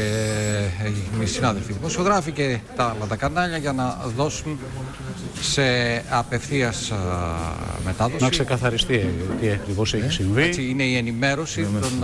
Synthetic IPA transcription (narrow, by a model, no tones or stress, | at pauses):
misinɐðelfiðimo̞sio̞ɣɾɐfice̞t̪ɐlɐt̪ɐkɐnɐʎɐʝɐnɐðo̞sun | se̞ɐpe̞fθiɐs | me̞t̪ɐðosɐksekɐθɐɾist̪it̪iɐkɾivoseesiɱvet͡siine̞ie̞nime̞ɾo̞sitt̪on